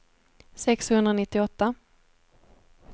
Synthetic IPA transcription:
sɛkshɵnd̪ɾanɪt̪ːɪɔt̪ːa

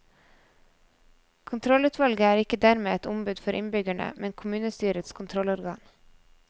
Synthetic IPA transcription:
kʰʊnt̪ʰɾɔlʉːt̪ʰʋɑlɡəæːɾɪkəd̪æɾmeːɛt̪ʊmbʉːd̪fɔɾʔɪ̰nbʏɡæɳə̰mʔɛnkʰʊmʉːnəst̪yːɾət̪skʰʊnt̪ʰɾɔlɔɾɡɑːŋ

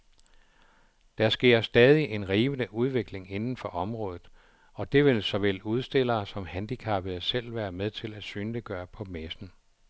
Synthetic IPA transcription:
d̥æɐsɡ̥e̝ɐ̰sd̥ɛːð̞ˠiʔe̝nʁiːʋənəʔuð̞ˠʋe̝ɡ̥le̝ŋe̝nn̩fɒ̽ʔɒ̽mʁɔ̽ːðˠð̩ˠ | ɒ̽d̥e̝ʋe̝lsɒ̽ʋel̰uð̞ˠsd̥e̝l̰ɐːsɒ̽mhænd̥ikʰɑ̈b̥əð̩ˠsel̰ʋæːɐmeðˠt͡sʰe̝læd̥syːnləɡ̥ɶːɐpʰɒ̽mesn̩

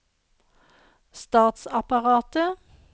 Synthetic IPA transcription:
st̪ɑːt̪sɑpɑʁɑːt̪ə

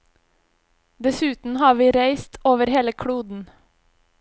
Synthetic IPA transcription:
d̪ɛsʉːt̪n̩hɑːʋiːɾæɪst̪ʰoːʋəɾheːləkʰɽuːd̪n̩

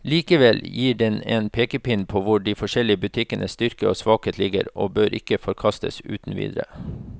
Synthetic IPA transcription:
liːkəʋɛljiːɖɛneːnpʰeːkəpɪnpʰoːʋʊɖiːfɔʂɛlɪəbʉt̪ʰɪkənʔəst̪ʏɾkəoːsʋɑːkheːt̪lɪɡə̰ɾo̰ːbøːɾʔɪ̰kəfɔɾkʰɑst̪ə̰sʉ̰ːt̪n̩ʋḭːd̪ɾə̰

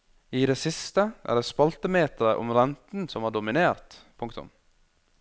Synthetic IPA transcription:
iːd̪eːsɪst̪əʔæ̰ːɖeːspɑlt̪əmeːt̪əɾəʔʊ̰mɾɛnt̪n̩sɔmhɑːɖʊmɪneːɾt̪pʰʊŋkt̪ʊ̰m

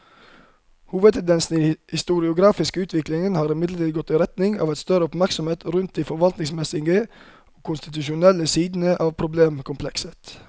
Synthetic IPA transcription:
huːʋəd̪̚t̪ʰɛnd̪ɛnsn̩ihɪst̪ʊɾɪʊɡɾɑːfɪskəʉːt̪ʰʋɪklɪŋənhɑːɾɪmɪd̪lətʰiːd̪ɡɔt̪ːiɾɛt̪nɪŋɑ̰ːʋɛɪt̪st̪œɾəɔpmæɾksɔmheːt̪ɾʉnt̪̚d̪iːfɔɾʋɑlt̪nɪŋsmɛsɪɡə | oːkʰʊnst̪ɪt̪ʉʃʊnɛləsiːd̪n̩əʔɑːʋpʰɾʊbleːmkʰʊmpʰlɛksət̪

